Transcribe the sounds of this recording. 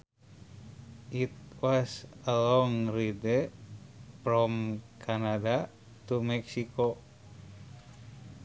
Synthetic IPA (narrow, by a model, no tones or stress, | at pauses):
ʔit̪̚wasəlɔŋridɛ | pɾɔmkʰanada | t̪umɛksiko